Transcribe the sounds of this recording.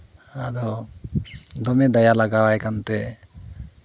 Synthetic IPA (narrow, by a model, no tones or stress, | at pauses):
ad̪ɔ | d̪ɔmed̪ɐjalaɡawajkant̪e